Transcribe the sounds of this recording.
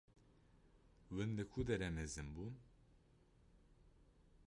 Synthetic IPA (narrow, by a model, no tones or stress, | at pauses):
wɨnlɨkʰud̪ɛɾɛmɛzɨnbun